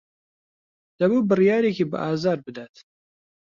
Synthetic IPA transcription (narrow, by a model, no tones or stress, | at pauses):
d̪̥ɐbubɨrijɑːɾekibɨ̰ʔɑːzɑːɾbɨd̪at̪